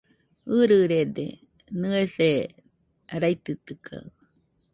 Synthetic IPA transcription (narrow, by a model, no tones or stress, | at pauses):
ɨɾɨɾed̪ḛ | nɨese | ɾajt̪ɨt̪ɨkʰa̰